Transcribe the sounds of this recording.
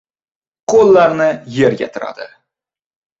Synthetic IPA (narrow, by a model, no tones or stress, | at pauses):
qʰolˠːaɾnɪje̞ɾɡʲa̰t̪ʰʊɾa̰d̪ɪ̰